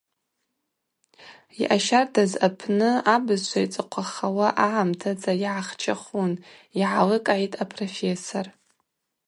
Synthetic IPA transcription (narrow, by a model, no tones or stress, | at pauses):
iʔaʃartʰazapʰnɨabɨzt͡ʃʷʰait͡sʼɨqʷʰaχawaʔaʕamtʰat͡sʼajiʕaχt͡ʃʰaχuniʕalɨkʼʕitʼapʰʼrofesor